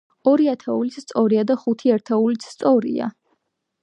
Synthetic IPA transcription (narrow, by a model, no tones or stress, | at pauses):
ɔɾiat̪ʰɛulit̪st̪sʼɔɾiad̪aχut̪ʰiaɾt̪ʰɛulit̪ssʼɔɾḭa̰